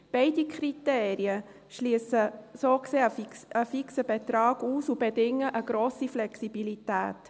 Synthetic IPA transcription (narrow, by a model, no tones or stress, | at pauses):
b̥ɛɪdikʰχɾiteːɾiə | ʃliəsəsoːkseːəəfiksəbɛt̪ɾɑːɡ̥uːsub̥ɛdɪŋəʔəɡɾoːsiflɛksibilitæ̰ːt